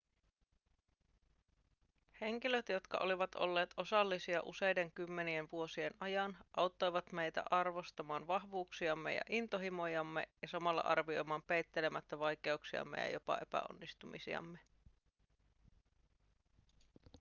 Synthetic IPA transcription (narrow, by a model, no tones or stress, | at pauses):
he̞ŋk̟iløt̪jo̞t̪kɑ̰ʔo̞liʋɑt̪o̞̰lːe̞ːt̪o̞sɑlːisiɑ̰ʔuse̞jde̞ŋkymːe̞nienʋuo̞sie̞nʔɑjɑnʔɑwt̪ːo̞jʋɑt̪me̞jt̪æ̰ʔɑrʋo̞st̪ɑmɑːnʋɑɦʋuːksiɑmːḛjɑ̰ʔint̪o̞ɦimo̞jɑmːe̞̰jɑsɑmɑlːɑ̰ʔɑrʋio̞jmɑːmpe̞jt̪ːe̞le̞mæt̪ːæʋɑjke̞uksiɑ̰mːḛjɑ̰jo̞pɑ̰ʔe̞pæ̰o̰nːist̪umisḭɑ̰mːe̞